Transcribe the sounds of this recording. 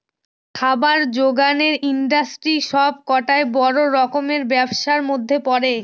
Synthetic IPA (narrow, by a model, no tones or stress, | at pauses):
kʰabaɾd͡ʑoɡaneɾiɳɖasʈɾiʃɔb̚kɔʈaebɔɾoɾɔkomeɾbɛbʃaɾmod̪ʱːepɔɾe